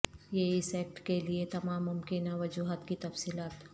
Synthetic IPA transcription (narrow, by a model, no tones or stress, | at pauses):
jeɪsɛːk̚ʈkeliet̪ɐmaːmːʊmkɪnaʋɐd͡ʒuːɦət̪kit̪ɐfsiːlaːt̪